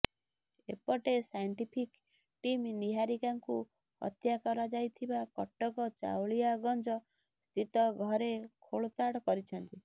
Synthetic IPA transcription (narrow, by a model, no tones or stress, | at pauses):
epɔʈesajɔɳʈipʰik | ʈimniɦaɾikaŋku | ɔ̰t̪jakɔɾɔd͡ʒajt̪ʰibakɔʈːɔkɔt͡ʃa̰wɭiaɡɔnd͡ʒɔ | st̪ʰit̪ɔɡʱɔɾekʰoɭot̪aɽɔkɔɾit͡ʃʰɔnt̪i